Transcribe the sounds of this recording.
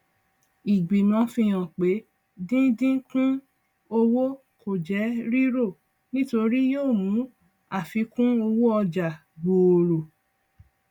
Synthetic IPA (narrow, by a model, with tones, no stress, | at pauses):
i˨ɡ͡bi˨mɔ̃˨˧fĩ˧j̃ã˨k͡pe˨˦ | dĩ˦dĩ˦kũ˦ | o˧wo˦ | ko˨d͡ʒɛ˨˦ɾi˦ɾo˦˨ | nĩ˦to˧ɾi˦joː˦˨mũ˨˦ | a˦˨fi˧kũ˦o˧wo˦ɔ˧d͡ʒa˨ | ɡ͡bo˨ɾo˨